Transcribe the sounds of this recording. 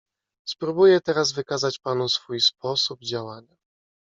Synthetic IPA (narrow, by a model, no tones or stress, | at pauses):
spɾubujɛt̪ɛɾazvɘkazat͡ɕpanusfujspɔsub̚d͡ʑawaɲa